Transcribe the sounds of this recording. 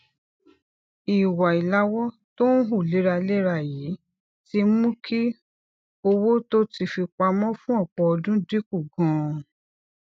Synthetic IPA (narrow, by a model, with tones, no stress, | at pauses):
i˨wa˨i˨la˨˦wɔ˦ | to˦n̩˦ɦu˦˨le˨˦ɾa˧le˦ɾa˧˨ji˨˦ | ti˧mũ˦kʰi˦ | o˧wo˦to˦ti˧fi˧k͡pa˧mɔ̃˦fũ˦ɔ˦˨k͡pɔ˨˧ɔ˧dũ˦di˦ku˦˨ɡɔ̃˨˦˨